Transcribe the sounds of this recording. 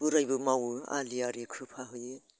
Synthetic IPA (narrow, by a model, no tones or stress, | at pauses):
puɾajbɯmawa̰liaɾikʰɯpʰaɦɯjɯ